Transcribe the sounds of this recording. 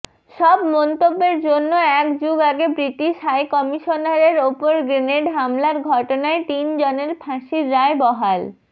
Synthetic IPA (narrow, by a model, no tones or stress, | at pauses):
ʃɔbmɔnt̪obːeɾd͡ʑonːoɛkd͡ʑuɡaɡebɾiʈiʃɦajkɔmiʃonaɾeɾopoɾɡɾeneɖɦamlaɾɡʱɔʈonaet̪ind͡ʑɔneɾpʰãʃiɾːaebɔɦal